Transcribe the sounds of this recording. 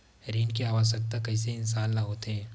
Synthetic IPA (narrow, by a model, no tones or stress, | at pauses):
ɾiːnkeaːʋaːsək̚t̪akɐis̬eɪnsaːnːaɦoːt̪eɦɛ̃ː